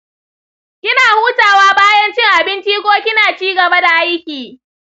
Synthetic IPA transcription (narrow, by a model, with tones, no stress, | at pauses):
ʔʲɪ˦naː˨huː˦taː˨waː˦baː˦jɐ˦nt͡ʃɪ˦ŋʔa˨bɪ˦nt͡ʃi˦kʷoː˦kʲɪ˦naː˨t͡ʃiː˦ɡɐ˨ba˦da˨ʔa˦jkʲiː˨